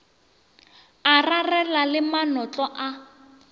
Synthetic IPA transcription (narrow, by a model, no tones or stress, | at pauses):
ararɛlalɪmanɔt͡ɬʼɔʔa